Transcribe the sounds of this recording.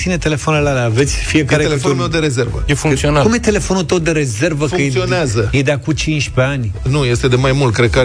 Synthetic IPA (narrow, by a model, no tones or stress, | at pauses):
inet̪e̞le̞fonelalaːve̞t̪sʲfiekaɾeeefonlmewd̪eɾezervə̰jefuŋksionakumjet̪e̞le̞fo̞nut̪ow̪d̪eɾe̞zervəkəjeioneazzəjed̪eakut͡ʃint͡ʃʲpeanʲnuje̞st̪e̞d̪e̞majmult̪̚kɾed̪̚ka